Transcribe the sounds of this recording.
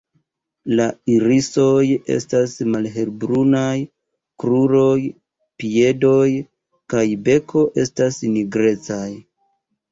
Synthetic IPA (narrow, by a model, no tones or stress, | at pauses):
laiɾiso̞jḛstasmalɦe̞lbɾunaj | kɾuɾo̞j | pie̞do̞j | kajbe̞kʰo̞ʔe̞stasniɡɾe̞t͡saj